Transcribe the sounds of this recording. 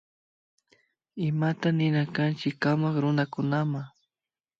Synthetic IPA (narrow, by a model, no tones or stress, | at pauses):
ɪmat̪anɪnakant͡ʃɪkːamakɾʊnakʊnamaŋ